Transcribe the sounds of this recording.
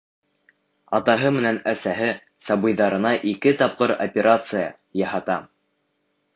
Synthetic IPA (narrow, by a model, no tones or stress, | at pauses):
ɑt̪ɑɦɤmɘ̆nænæsæɦɘ | sɑbɤ̆jðɑɾɤ̆nɑʔikɘt̪ɑp̚qɤɾo̰pʲeɾʔat̪sɨjɑ̰ | jɑɦɑt̪ɑ